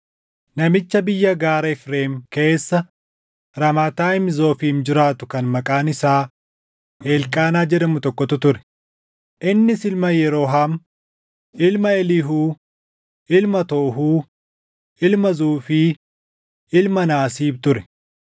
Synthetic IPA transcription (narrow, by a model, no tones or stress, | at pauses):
nɐmɪt͡ʃːɐbɪjːɐɡaːɾɐɪfɾe̞ːmke̞ːsːɐ | ɾɐmaːt̪aːɪmzo̞ːfiːmd͡ʒɪɾaːt̪ʊkɐnmɐkʼaːnɪsaː | ʔeːlkʼaːnaːd͡ʒɛᶑɐmʊt̪ɔkːɔt̪ʊt̪ʊɾɛ̥ | ʔɪnːɪsɪlmɐjɛɾo̞ːɦaːm | ʔɪlmɐɛlɪɦuː | ʔɪlmɐt̪oːɦuː | ʔɪlmɐzuːfɪ | ɪlmɐnaːsiːbt̪ʊɾɛ̥